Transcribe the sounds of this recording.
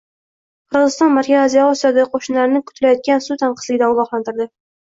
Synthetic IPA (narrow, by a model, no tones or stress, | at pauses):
qʰɨɾʁɨzɪst̪ɒnmaɾkʲazazijɒɒsijɒd̪aɡʲɪqʰoʃɪnlaɾnɪkʰʊ̥t̪ʰɪlajɒt̪̚kʲansut̪ʰaɴqʰɨ̥slɪɡʲɪd̪aʊbɒqlˠant̪ɪɾd̪ɪ